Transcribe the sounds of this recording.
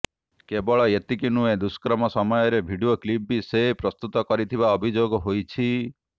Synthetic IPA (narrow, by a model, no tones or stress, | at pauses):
kebɔɭɔet̪ikinued̪uskɾɔmɔsɔmɔjɔɾebʱiɖioklipisepɾɔst̪ut̪ɔkɔɾit̪ʰibaɔbʱid͡ʒoɡɔɦojt͡ʃʰi